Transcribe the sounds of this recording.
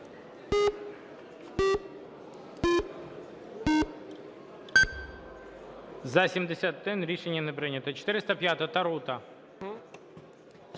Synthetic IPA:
zɐsʲɪmʲd̪ʲɪsʲat̪d̪ɨnʲɾʲiʂɛnʲɪjənɨpɾɨnʲɪt̪ət͡ɕɪ̥t̪ɪɾʲɪst̪ɐpʲjat̪ət̪ɐɾut̪ɐ

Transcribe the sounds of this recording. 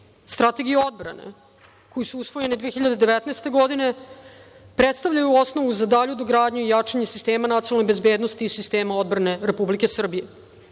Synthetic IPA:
st̪ɾat̪e̞ɡijeo̞d̪̚bɾa̰nḛ | kʰo̞jisuusʋo̞je̞ned̪ʋeeçiʎad̪ed̪eʋet̪naːst̪e̞ɡo̞d̪ine̞ | pɾet̪st̪avʎajuo̞sno̞ʋuzad̪aʎud̪oɡɾaːd̪ɲuijat͡ʂaɲe̞sist̪eːmanat̪ioalnobezbe̞ːd̪nost̪iːsist̪e̞ːmao̞d̪bɾane̞ɾepublike̞sr̩bije

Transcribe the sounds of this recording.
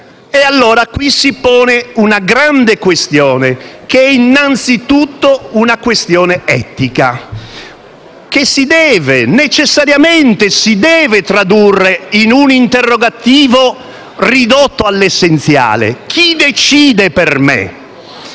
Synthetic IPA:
ealːoːɾakwisipɔːneunaɡɾand̪ekwest̪jɔːnekeɛinːant̪sit̪ut̪ːounakwest̪jɔːneɛt̪ika | k̟esːid̪ɛːvenet͡ʃesːaɾjament̪esid̪ɛːvet̪ɾad̪urːeinunint̪erːoɡat̪iːvo | rid̪ot̪ːoalːesːent̪sja̰ːlḛkʰid̪et͡ʃiːd̪epermḛ

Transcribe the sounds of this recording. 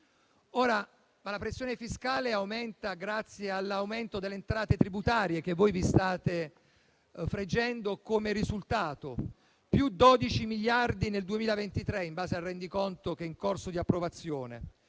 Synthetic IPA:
oːɾa | malapɾesːjoːnefiskaːleawmɛnt̪aɡɾat̪sːjealːawment̪od̪elːeːnt̪ɾaːt̪et̪ɾibut̪aːɾjek̟evːojvist̪aːt̪e | fɾed͡ʒːɛnd̪okomeɾizult̪aːt̪o | pjud̪ɔd̪it͡ʃimiʎːard̪ineld̪uemiːlavent̪it̪ɾeimbaːzealrːɛnd̪ikont̪ok̟ɛuŋkorsod̪iapːɾovat̪sːjoːnḛ

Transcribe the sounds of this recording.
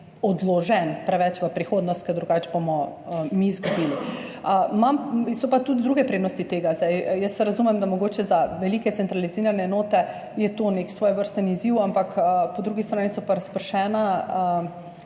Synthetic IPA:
ɔd̪lɔʒɛnpɾɛʋɛt͡ʃʋəpɾixoːd̪nɔst̪̚kəd̪ɾuɡaːt͡ʃbomɔəmizɡɔbiːliəmamsɔpat̪ud̪d̪ɾuːɡɛpɾeːd̪nɔst̪it̪eːɡazd̪ajjəst̪ːɛɾazumɛmd̪amɔɡoːt͡ʃɛzaʋɛlikɛt̪sɛnt̪ɾaliziːɾanɛːnoːt̪ɛ | jɛt̪oːneksʋoːjʋəɾst̪əniziwampakəpɔd̪ɾuɡist̪ɾaːnisɔpaɾɐspəɾʃɛːnaə

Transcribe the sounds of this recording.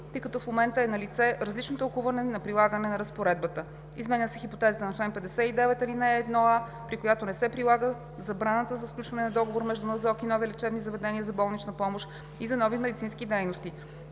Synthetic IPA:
t̪ɤjkɐt̪ɔfmomɛnt̪əɛnɐlit̪sɛɾəzlit͡ʃnot̪əlˠkuvɐnɛnɐpɾilˠaɡənɛnɐɾəspoɾɛd̪̚bət̪ə | izmɛnʲəsɛxipot̪ɛzət̪ənɐt͡ʃlɛnpɛd̪ɛsɛid̪ɛvɛt̪ɐlinɛːd̪nɔa | pɾikojat̪onɛsɛpɾilˠaɡə | zɐbɾanət̪əzɐsklut͡ʃvɐnɛnɐd̪ɔɡovoɾmɛʒd̪unɐsɔkinɔvilit͡ʃɛbnizɐvɛd̪ɛniəzɐbɔlˠnit͡ʃnəpɔmoʃ | izɐnɔvimɛd̪it̪sinskid̪ɛjnost̪i

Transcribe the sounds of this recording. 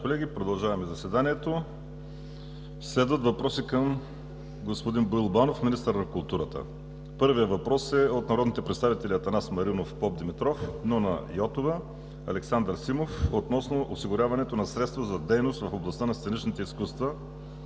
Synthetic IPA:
kolɛɡʲipɾod̪ɐlˠʒavɐmɛzɐsvɛd̪aniɛt̪o | slɛd̪vət̪vɐpɾɔsikəm | ɡospod̪inbilˠbanofminist̪əɾnɐkulˠt̪uɾət̪ə̰ | pɤɾvijəvɐpɾɔsɛot̪nɐɾɔd̪nit̪ɛpɾɛt̪st̪avit̪ɛliɐt̪ɐnasmɐɾinofpɔp̚d̪imit̪ɾɔfnonɐ̰jɔt̪ovə | ɐ̰lɛksand̪əɾsimofot̪nɔsnoʔosiɡʊɾʲavɐnɛt̪onɐsɾɛt̪st̪vɐzɐd̪ɛjnost̪vɐfoblˠɐst̪anɐst̪ɛnit͡ʃnit̪ɛiskust̪və

